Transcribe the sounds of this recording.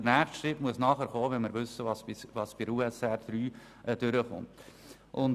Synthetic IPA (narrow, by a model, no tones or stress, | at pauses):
əɾnæːχʃtʃɾɪtmuəsnɑːχəɾχoːʋɛnmɪɾʋʏsːəʋɑsb̥ɪsʋɑːsb̥ɪdɾuɛsæːd̥ɾyː | ʔd̥ʏɾəχʊ̰nt | ʔʊn